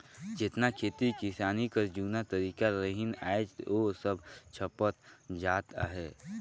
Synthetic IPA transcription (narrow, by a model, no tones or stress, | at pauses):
d͡ʒɪt̪nakʰeːt̪ikɪsaːnikəɾd͡ʒuːnat̪əɾiːkaɾəɦɪna̰ːed͡ʒ̪osəbt͡ʃʰəpət̪̚d͡ʒaːt̪a̰ɦɛː